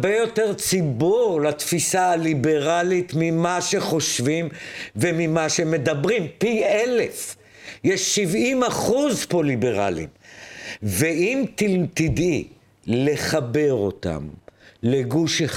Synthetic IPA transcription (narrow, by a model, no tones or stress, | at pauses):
bejo̞te̞ʁt͡sibuʁlat̪fisaalibe̞ʁalit̪mimaʃe̞χo̞ʃvimvemimaʃeme̞d̪abʁimpielef | jeʃːivimaχuzpo̞libe̞ʁa̰lḭm | veimt̪iltid̪i | le̞χabe̞ʁo̞̰t̪a̰mleɡuʃe